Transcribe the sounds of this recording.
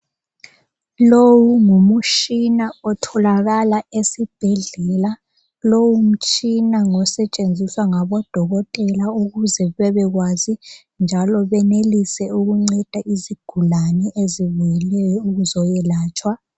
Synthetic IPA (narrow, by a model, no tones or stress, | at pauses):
lowuŋumuʃinaɔtʰɔlaɣalaesib̥ʱɛɮɛla | lowum̩t͡ʃʼinaŋɔsɛt͡ʃʼend͡zʱiswaŋaβɔd̥ʱɔɣɔtʼɛlauɣuzɛβɛβɛɣwaːzi | nd͡ʒʱalɔβɛnelisɛuɣuŋ͡ǀɛd̥ʱaʔiziɡ̥ʱulanɛʔeziβujɛlɛjɔuɣuzɔjɛlaːt͡ʃʼwa